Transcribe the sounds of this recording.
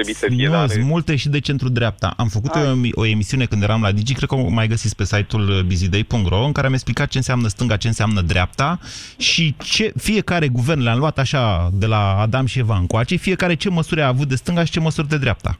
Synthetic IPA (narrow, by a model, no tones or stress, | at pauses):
nomult̪eʃid̪e̞t͡ʃe̞nt̪ɾud̪ɾeap̚t̪a̰ʔamfəkut̪oo̞e̞misiunekɨnd̪jeɾamlad̪id͡ʒikɾe̞d̪kəmajɡəsitsk̚pe̞sajt̪ulbizid̪ejpuŋkt̪rʔo̞ɨŋkaɾeame̞ksplikat̪̚t͡ʃeɨnseamnəst̪ɨŋɡat͡ʃe̞ɨnseamnəd̪ɾʲʔap̚t̪aʃit͡ʃe̞fije̞kaɾe̞ɡuve̞rnleamluat̪aʃad̪e̞laːd̪amʃievaɨŋkoat͡ʃe̞fie̞kaɾe̞t͡ʃe̞məsuɾeaːvut̪̚d̪e̞st̪ɨŋɡaʃi̥t͡ʃe̞məsurd̪e̞d̪ɾeap̚t̪a̰